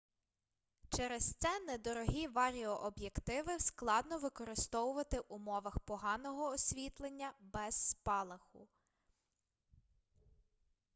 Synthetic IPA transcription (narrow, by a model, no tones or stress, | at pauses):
t͡ʃɛɾest̪sɛnɛd̪ɔɾɔɦʲiʋɑɾʲiɔʔɔbjekt̪ɪʋɪsklˠɑd̪nɔʋɪkɔɾɪst̪ɔwʊʋɐt̪ɪʔumɔʋɐxpɔɦɑnɔɦɔːsʲʋʲit̪lˠenʲːɐbɛz̥ːpɑlˠɐxʊ